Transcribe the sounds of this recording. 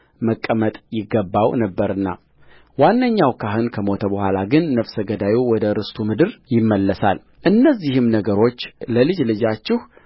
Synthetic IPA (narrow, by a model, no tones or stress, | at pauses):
məkʼːəmət̪ʼjɪɡːəbːawnəbːəɾɨnːa̰ | wanːəɲːawkʰaɦɨnkʰəmo̞t̪ʰəbəhʷalaɡɨnːəfsəɡəd̪ajiwɔd̪əɾɨst̪ʰumɨd̪ɨɾjɪmːəlːəsal | ʔɨnːəzːihɨmnəɡəɾo̞t͡ʃːləlɨd͡ʒlɨd͡ʒat͡ʃːɪh